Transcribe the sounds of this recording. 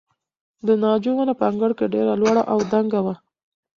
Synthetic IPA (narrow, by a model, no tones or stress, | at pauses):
d̪ənɑd͡ʒowanapəaŋɡəɽkeɖeɾalwɑɽa̰ʔawd̪aŋɡawa